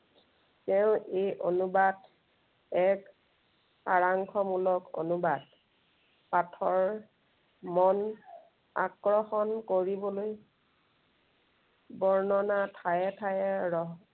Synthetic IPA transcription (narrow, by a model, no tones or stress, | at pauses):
tɛʊ̃ʔejʔonubad | ɛk | xaɹaŋkʰɔmulɔko̰nubad | patʰɔɹ | mɔn | a̰kɹɔxɔnkoɹibɔloj | bɔɹnɔnatʰajɛtʰajɛɹɔ